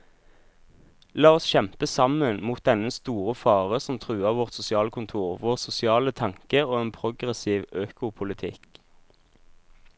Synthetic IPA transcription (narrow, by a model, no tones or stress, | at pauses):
lɑːɔsʃɛmpəsɑmənmuːt̪̚d̪ɛnəst̪uːʁəfɑːʁəsɔmt̪ʰʁʉːɑːʋɔʁt̪sʊsɪɑːlkʰʊnt̪ʰuːʁʋoːʁsʊsɪɑːlət̪ʰɑŋkəoːeːnpʰʁʊɡʁɛsiːʋøːkʊpʰʊlɪt̪ʰɪk